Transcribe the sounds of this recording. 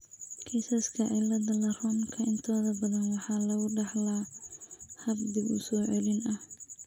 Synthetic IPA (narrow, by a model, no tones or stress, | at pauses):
kʰisɐskʰɐʕɪlɐdɐlɐrɔmkʰɐʔɪnt̪ʰɔːðɐbɐðɐnwɑħɑːlɐɣʊɖɑħla | hɐbd̪ɪbʊ̰sɔːʕɛlɪnɐh